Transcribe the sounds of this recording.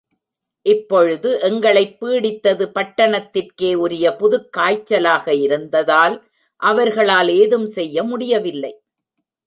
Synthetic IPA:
ʔɪpːɔɻɯðɯʔɛŋɡɐɭɐɪpːiːɽɪt̪ːɐðɯpɐʈːɐɳɐt̪ːɪrkeːʊɾɪjɐpʊðɯkːaːjt͡ʃːɐlaːɣɐɪɾɯnd̪ɐðaːl | ʔɐʋɐɾɣɐɭaːleːðɯmsɛjːɐmʊɽɪjɐʋɪlːɐɪ

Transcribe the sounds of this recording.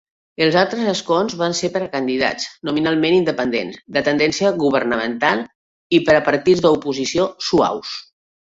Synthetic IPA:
əlˠzalˠt̪ɾəzəskonzβanseɾpəɾəkənd̪iða̰t͡snuminalˠmenind̪əpənd̪ḛnzd̪ət̪ənd̪ɛnsiəɣuβ̞əɾnəmənt̪alˠ | ipəɾəpəɾt̪id͡zðəupuzisiosua̰ws

